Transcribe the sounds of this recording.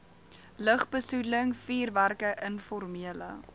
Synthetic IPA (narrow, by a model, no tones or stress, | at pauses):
ləχbəsuləŋfiːrværkəʔənfɔrmiələ̰